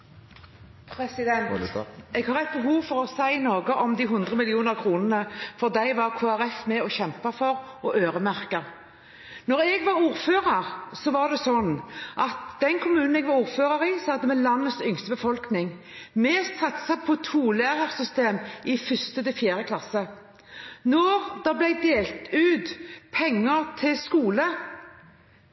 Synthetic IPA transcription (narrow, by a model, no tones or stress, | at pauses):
pʰɾɛsɪd̪ɛnt̪ɛɡhɑːʁæɪt̪̚bəɦuːʋfɔɾɔsæɪnoːɡəʔɔmd̪iːɦʊnd̪ʁəmɪlɪuːnəʁkʰɾuːnənəfɔʁd̪æɪʋɑʁkʰoːæɾɛfmɛɔçɛmpɑfɔɾʔɔʔøːɾəmæʁkə | nɔɾɛɡʋɑɾuːɾføːʁəɾsɔʋɑʁd̪ɛsɔnʔɑt̪d̪̥ɛnkʰʊmʉːnn̩ɛɡʋɑɾuːʁføːʁəʁɪsɑd̪əmɛlɑnːət̪sʏŋst̪əbəfɔlknɪŋ | mɛsɑt̪sɑpʰɔt̪ʰuːlæːʁəʁsʏst̪eːmɪfʏst̪əd̪ɛfjæːɾəkʰlɑsə | nɔʁd̪ɑblæɪd̪eːlt̪ʉːt̪pʰɛŋːəʁt̪ʰɪlskuːlə